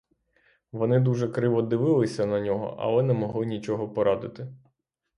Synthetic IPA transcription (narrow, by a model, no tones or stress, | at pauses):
ʋɔnɪd̪uʒɛkɾɪʋɔd̪ɪʋɪlˠɪsʲɐnɐnʲɔɦɔ̰ʔɐ̰lˠɛnɛmɔɦlˠɪnʲit͡ʃɔɦɔpɔɾʔɑd̪ɪt̪ɪ